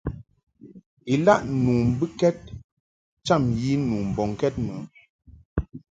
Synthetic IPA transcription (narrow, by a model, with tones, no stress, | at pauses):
i˨la˦ʔnu˨m̩˨bɨ˦kɛ˦t̚ | t͡ʃa˦˨mji˦nuː˨m̩˨bɔ˨ŋ˨kɛ˦t̚mə̰˨